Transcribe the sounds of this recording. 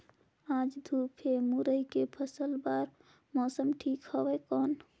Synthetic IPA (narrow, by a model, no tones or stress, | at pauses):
ãd͡ʒd̪ʱupʰemuɾəikepʰəsəlbaɾ | mɔsəmʈʰikhəbɛkɔn